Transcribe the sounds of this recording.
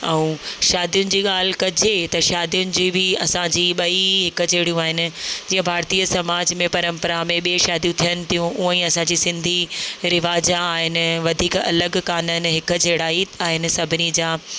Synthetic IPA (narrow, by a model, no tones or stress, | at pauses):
ɛ̃ũːʃaːd̪ijʊnɪ̆d͡ʑiːɠaːl̤ɪkɐd͡ʑet̪ɐʃaːd̪ijʊnɪ̆d͡ʑiːbʱɪɐsãd͡ʑiːɓɐiɦɪkd͡ʑeːɽijũaːɦɪnɪ̆d͡ʑiːə̃bʱaːɾt̪iːəsɐmaːd͡ʑmẽpɐɾə̃mpəɾamẽɓieʃaːd̪ijũt̪ʰijənɪ̆t̪ʰijũʔuːə̃ĩːɐsãɲd͡ʑiːsɪ̃nd̪ʱiɾɪʋaːd͡ʑaːɦɪnɪ̆ʋɐd̪ʱiːkɐ̰ləɡkaːnənɪ̆ɦɪk̆d͡ʑeːɽaːiaːɦɪnɪ̆sɐbʱɪnid͡ʑaː